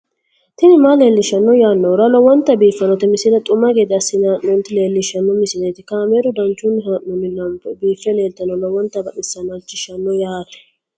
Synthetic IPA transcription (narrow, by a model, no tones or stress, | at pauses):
t̪ɪnɪmaleːlːɪʃɐnːɔjaːnːɔɾɐlɔwɔnt̪ːɐbiːfːɐnɔt̪ɛmɪsɪd̪ɐt̪ʼʊmːaɡeːd̪ɪɐsːɪnaːʔːɔnt̪ɪle̞ːlːɪʃɐnːɔmɪsɪneːt̪ɪkaːmeːɾʊd̪ɐnt͡ʃːʊnːɪɦaʔːɔnːɪlɐmpːɛbiːfːɛle̞ːlt̪ɐnɔlɔwɔnt̪ːɐbɐɗɪsːɐnɐt͡ʃːɪʃɐnːɔjaːt̪ɛ̥